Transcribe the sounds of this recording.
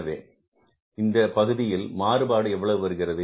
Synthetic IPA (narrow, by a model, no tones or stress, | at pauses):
ɐʋḛː | ɪnd̪ɐpɐɣɯðɪjɪlmaːɾɯbaːɽɯɛʋːɐɭɐʋɯʋɐɾɯɣɪrɐðɯ